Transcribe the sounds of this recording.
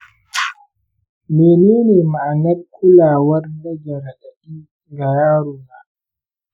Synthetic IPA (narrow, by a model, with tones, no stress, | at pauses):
meː˨neː˦ne˨ma˨ʔa˨na˦ɗkʰu˦laː˨wa˦rna˦d͡ʒa˨ɾa˨ɗa˨ɗiː˦ | ŋɡa˨jaː˦ɾu˨ba˨